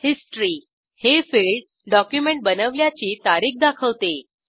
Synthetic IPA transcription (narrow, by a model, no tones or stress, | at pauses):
hisʈɾiː | hefiːlɖ | ɖɔkjumeɳʈ̚bənəʋljat͡ɕiːt̪aɾiːk̚d̪akʰəʋt̪e